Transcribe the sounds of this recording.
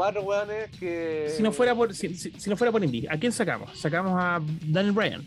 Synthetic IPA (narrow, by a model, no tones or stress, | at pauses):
marowanekesinofweɾapoɾsisisinofweɾapoɾĩnd̪iak̬jensaka̰mo̰ssakamosad̪anjelbɾaja̰n